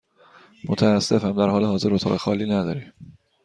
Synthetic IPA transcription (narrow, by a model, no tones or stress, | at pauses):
mot̪ʰææsːe̞fhæmd̪æɾhɒːlehɒːze̞ɾot̪ʰɒːɣexɒ̰ːliːnæd̪ɒːɾim